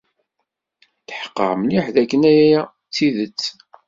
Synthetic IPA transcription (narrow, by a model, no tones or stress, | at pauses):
θə̥ħə̥qːə̰ɾmliħðækːənæjæjæ | t͡sːiðət͡sː